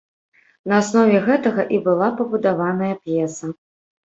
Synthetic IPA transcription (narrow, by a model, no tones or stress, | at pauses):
nɐasnɔvʲɛɣɛt̪ɐɣɐʔibɨlˠapɐbud̪avanɐjɐpjɛsɐ